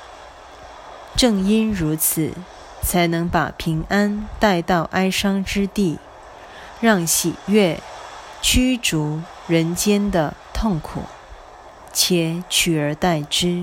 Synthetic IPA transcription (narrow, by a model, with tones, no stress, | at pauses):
ʈ͡ʂɤ˥˧ŋi˥nɻu˧˥t͡sʰɹ̩˨˩ | t͡sʰa˧˥ɪnɤ˧˥ŋpa̰˨˩pʰi˧˥ŋa˥nt̪a˥˧ɪt̪ɑ˥˩ʊʔa˥ɪʂɑ˥ŋʈ͡ʂɻ̩˥t̪i˥˩ | ɻɑ˥˩ŋɕi˨˩ɥɛ˥˩ | t͡ɕʰy˥ʈ͡ʂu˧˥ | ɻə˧˥nt͡ɕjɛ˥nd̪ə˨t̪ʰʊ˥˩ŋkʰṵ˨˩˦ | t͡ɕʰjɛ˧˥˦t͡ɕʰy˨˩ə˞˧˥t̪a˥˩ɪʈ͡ʂɻ̩˥